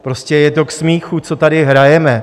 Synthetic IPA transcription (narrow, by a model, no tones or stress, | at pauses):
pɾo̞scɛjɛt̪o̞ksmiːxut͡so̞t̪adɪɦɾajɛmɛ